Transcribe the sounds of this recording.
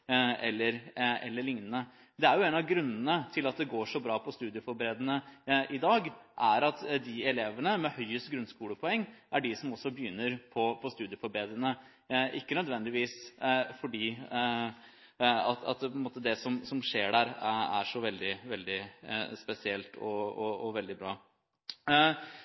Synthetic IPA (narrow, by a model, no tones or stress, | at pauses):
ɛlːəɾɛ̰lːəɭɪŋnənə | d̪ɛæɾjʊɛːnɑɡɾʉnːənət̪ʰɪlɑt̪̚d̪ɛɡoːʂɔbɾɑːpʰɔst̪ʉːd̪ɪəfɔɾbəɾeːd̪ənəʔɪd̪ɑːɡʔæɾɑt̪d̪ɪɛleːʋənəmɛhœʏəst̪ɡɾʉnskuːləpʰɔɛŋːʔæɖɪsɔmɔsːɔbəjʏnːəɾpʰɔpʰɔst̪ʉːd̪ɪəfɔɾbɾeːd̪ɾənə | ʔɪkːənœd̪ʋɛnd̪ɪʋiːsfɔɖiː | ɑ̰t̪ɑ̰t̪pʰɔnmoːt̪əd̪ɛsɔmsɔmʂeːɖæːɾæ̰ʂɔʋɛld̪ɪʋɛld̪ɪspɛsɪɛlt̪ʰɔ̰ɔɔʋɛld̪ɪbɾɑː